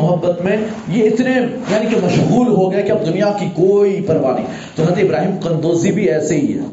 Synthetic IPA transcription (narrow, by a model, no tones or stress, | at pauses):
ʊɦɐbːət̪mẽjeɪt̪nejaːnikemɐʃɣuːlɦoɡɐjakiɐb̚d̪ʊnijakikoːipɐɾʋanɐ̰ɦḭ̃ | t̪oɦɐd̪eɪbɾaːɦiːmqɐ̃nd̪oːzibʱiɛːseɦiɦɛ̰ː